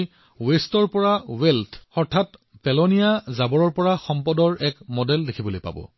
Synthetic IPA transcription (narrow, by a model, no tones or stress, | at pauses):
westɔɹpɔɹawɛltʰɔɹtʰat | pɛlonijazabɔɹɔɹpɔɹaxɔmpɔdɔɹɛkmɔdɛldekʰibolojpa̰bɔ̰